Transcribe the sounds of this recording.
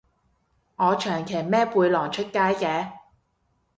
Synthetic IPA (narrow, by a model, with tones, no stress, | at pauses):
ŋɔː˨˧t͡ʃʰœː˨˩ŋkʰe˨˩jmɛː˥puː˧jlɔː˨˩ŋt͡ʃʰɵ˥t̚kaː˥jkɛː˧